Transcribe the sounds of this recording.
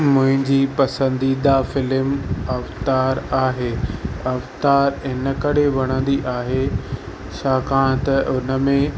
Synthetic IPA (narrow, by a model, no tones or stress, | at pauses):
mʊ̃ɦɪ̃ɲd͡ʑiːpɐsə̃nd̪id̪afɪlɪmɐft̪aːɾaːɦeːɐft̪aːɾɪnəkɐɽeʋɐɽ̃ə̃nd̪iʔaːɦe | ʃaːkãːɽ̃t̪ɐʔʊnə̆mẽ